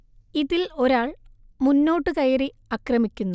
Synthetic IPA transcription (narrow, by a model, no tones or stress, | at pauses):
iðilo̞ɾaːɭ | munːo̞ːʈːɨkɐjɐri | ɐkrɐmikʲːunːu